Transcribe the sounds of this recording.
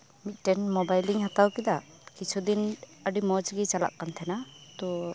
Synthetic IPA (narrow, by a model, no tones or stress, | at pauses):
mit̪̚ˀʈɛnmɔbajliŋhat̪awkid̪aʔ | kit͡ʃʰud̪inəɖimɔd͡ʒɡit͡ʃala̰ʔkːant̪ʰɛnat̪ɔ